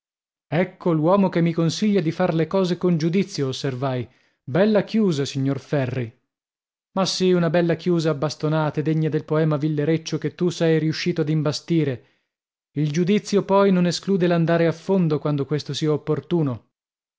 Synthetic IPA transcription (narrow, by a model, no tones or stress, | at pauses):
ɛkʰːolwɔːmokemːikonsiʎːad̪ifarlekɔːzekond͡ʒud̪it̪sːjoːsːervaj | bɛlːakjuːzasiɲːorfɛrːi | masːiunabɛlːakjuːzaːbːast̪onaːt̪ed̪eɲːad̪elpoɛːmavilːeɾet͡ʃːoket̪ːusɛjɾiuʃːiːt̪oad̪imbast̪iːɾe | ild͡ʒud̪it̪sːjopɔjnoneskluːd̪eland̪aːɾeafːond̪okwand̪okwest̪osiaopːort̪uːno